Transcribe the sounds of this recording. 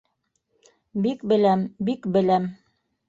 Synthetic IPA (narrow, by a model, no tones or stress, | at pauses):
bikbɘ̆læmbikbɘ̆læm